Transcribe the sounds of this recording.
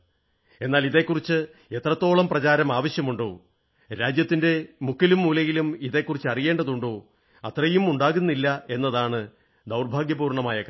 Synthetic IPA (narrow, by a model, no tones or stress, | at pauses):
e̞nːaːliðe̞kːurit͡ɕːɨ | e̞t̪rɐt̪ːo̞ːɭɐmprɐt͡ɕaːɾɐmaːʋɐɕjɐmuɳɖo̞ː | ɾaːd͡ʑjɐt̪ːinde̞mukʰːilumːuːlɐjilumiðe̞kːurit͡ɕːɨɐrije̞ːɳɖɐðuɳɖoː | ɐt̪rɐjumuɳɖaːɣunːilːɐe̞nːɐðaːɳɨ | d̪ɐwrbʱaːɡjɐbuːrɳɐmaːjɐk